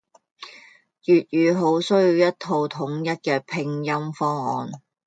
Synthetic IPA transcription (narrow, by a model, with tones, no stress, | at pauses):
jyː˨t̚jyː˨˧ɦo˨˥wsɵ˥ɥjiː˧wjɐ˥tt̪ʰo˧wt̪ʰʊ˨˥ŋjɐ˥t̚kɛː˧pʰɪ˧ŋjɐ˥mfɔː˥ŋɔ̰ː˧n